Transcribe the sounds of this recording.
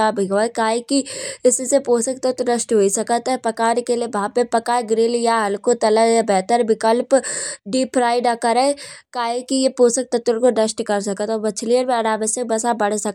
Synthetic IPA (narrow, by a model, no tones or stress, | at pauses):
abʱiɡʋakaːɦikiɪssepoːsək̚t̪ɐt̪nəʃʈɦoːisɐkət̪ɛpɐkaːɾkeliebɐɦãpepɐkaːɡɾɪljaɦɐlkot̪ɐləjabɛːt̪əɾʋɪkəlpɖiːpʰɾaːɪɖakɐɾekaːɦẽkijepoːsək̚t̪ɐt̪əɾkoɖəsʈkɐɾsɐkət̪ɔːbɐt͡ʃʰlijəɾmẽɐɾaːʋəsjək̚bɐsabɐɽ̤sɐk